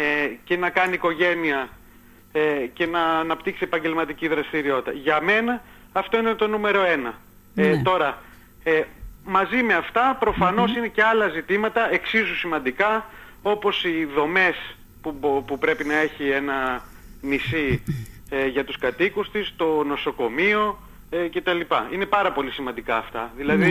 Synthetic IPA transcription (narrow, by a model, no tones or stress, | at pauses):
ece̞nɐkɐniːko̞ʝe̞niɐ | ece̞nɐːnɐpt̪iksiepɐɲɟe̞lmɐt̪iciðɾɐst̪iɾio̞t̪it̪ɐ̰ʝɐme̞nɐː | ft̪o̞ine̞t̪o̞nume̞ɾo̞e̞nɐ | t̪o̞ɾɐ | emɐzime̞ɐft̪ɐpɾo̞fɐno̞sine̞ce̞ɐlɐzit̪imɐt̪ɐe̞ksizusimɐnd̪ikɐ | o̞po̞siðo̞me̞s | pupupɾe̞pinɐe̞çie̞nɐ | nisi | eʝɐt̪uskɐt̪ikust̪ist̪o̞no̞so̞ko̞mio̞ | ece̞t̪ɐlipɐine̞pɐɾɐpo̞lisimɐnd̪ikɐːft̪ɐ̰ðilɐði